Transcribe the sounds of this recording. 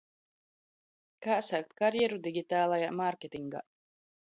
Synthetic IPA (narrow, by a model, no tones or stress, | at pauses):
kaːsak̚t̪kaɾjɛɾud̪iɡʲit̪aːlˠajamaɾkʲet̪ʲiŋɡa̰